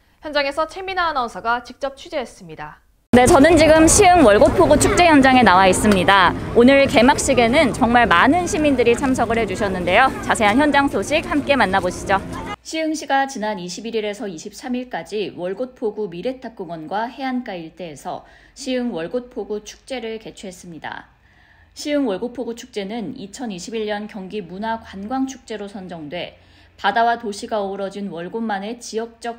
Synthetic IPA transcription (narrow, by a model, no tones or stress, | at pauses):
çjʌnd͡ʑaŋe̞sʰʌt͡ɕʰeminanʌsʰaɡat͡ɕik̚t͡ɕ͈ʌp̚t͡ɕʰud͡ʑeːs͈ɯmɲida | ne̞t͡ɕʌnɯnt͡ɕiɡɯmɕʰiɯŋwʌɭɡot̚pʰoɡut͡ɕʰuk̚t͡ɕ͈e̞jʌnd͡ʑaŋe̞nawais͈ɯmɲidaonɯɭke̞mak̚ɕ͈iɡe̞nɯnt͡ɕʌŋmaɭmanɯnɕʰimindɯɾit͡ɕʰamsʰʌɡɯɭhe̞d͡ʑuɕʰʌnːɯnde̞jot͡ɕasʰe̞ɦançjʌnd͡ʑaŋsʰoɕʰik̚hamk͈e̞manːaboɕʰid͡ʑoɕʰiɯŋɕʰiɡat͡ɕinaniɕʰibiɾiɾe̞sʰʌiɕʰip̚sʰamiɭk͈ad͡ʑiwʌɭɡot̚pʰoɡumiɾe̞tʰap̚k͈uŋwʌnɡwahe̞ank͈aiɭt͈e̞ːsʰʌ | ɕʰiɯŋwʌɭɡot̚pʰoɡut͡ɕʰu̥k̚t͡ɕ͈e̞ɾɯɭke̞t͡ɕʰuɦe̞s͈ɯmɲida̰ | ɕʰiɯŋwʌɭɡopʰoɡut͡ɕʰu̥k̚t͡ɕ͈e̞nɯnit͡ɕʰʌniɕʰibiʎɲʌnkjʌŋɡimunakwanɡwaŋt͡ɕʰu̥k̚t͡ɕ͈e̞ɾosʰʌnd͡ʑʌŋdwe̞ | padawatoɕʰiɡaʌuɾʌd͡ʑinwʌɭɡomːane̞t͡ɕiʌk̚t͡ɕ͈ʌk̚